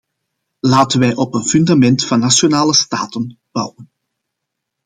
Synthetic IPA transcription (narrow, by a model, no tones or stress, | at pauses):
laːtənʋɛjʔɔpənfyndamɛntfɑnːasjonaːləsta̰ːtən | b̥ɑwən